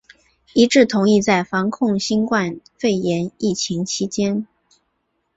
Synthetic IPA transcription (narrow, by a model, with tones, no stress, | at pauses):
i˧˥ʈ͡ʂɻ̩˥˩t̪ʰʊ˧˥ŋi˥˧t͡sa˥˩ɪfɑ˧˥ŋkʰʊ˥˧ŋɕi˥nkwa˥˧nfe˥˩ɪjɛ˧˥ni˥˩t͡ɕʰi˧˥ŋt͡ɕʰi˧˥t͡ɕjɛ˥n